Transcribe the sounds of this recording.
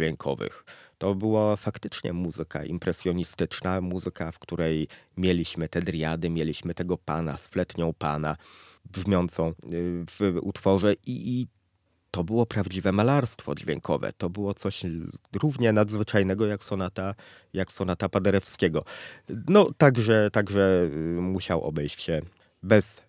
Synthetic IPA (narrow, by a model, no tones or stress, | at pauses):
vʲeŋkʰɔ̰vɘ̰xt̪ɔbɘwafakt̪ɘt͡ʂɲɛ̰muzɘka̰ʔḭmpɾɛsʲjɔɲist̪ɘt͡ʂnamuzɘkafkt̪uɾɛjmʲjeɛlʲiɕmɘt̪ɛd̪ɾʲjad̪ɘmʲjelʲiɕmɘt̪ɛɡɔpana̰sflɛt̪ɲɔ̃w̃pana | bʐmʲjɔnt̪sɔ̃w̃v̥ṵt̪fɔʐɛʔi | t̪ɔbɘwɔpɾavd͡ʑivɛmalaɾst̪fɔ̰d͡ʑvʲjḛŋkʰɔvɛ̰t̪ɔbɘwɔt̪sɔɕɾuvɲɛnad̪zvɘt͡ʂajnɛɡɔjaksɔnat̪a | jaksɔnat̪apad̪ɛɾɛfskʲɛɡɔnɔt̪aɡʐɛt̪aɡʐɛmuɕawʔɔ̰bɛjt͡ɕɕɛ | bɛs